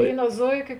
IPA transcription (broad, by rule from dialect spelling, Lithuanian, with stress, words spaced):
ˈʋʲeːɪnoː ˈzoːɪˌkʲoː